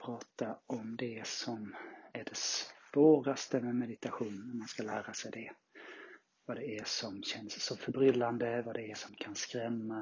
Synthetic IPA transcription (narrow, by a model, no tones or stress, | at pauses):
pʰɾɑːt̪aɔmd̪ɛsɔmæɖɛsvoːɾast̪əmɛmɛd̪ɪt̪aɧuːnnæmanskalæːɾasɛjd̪ɛ | vad̪ɛæʂɔmɕɛnsːɔmfœɾbɾʏlːand̪əvad̪ɛæʂɔmkʰanskɾɛmːa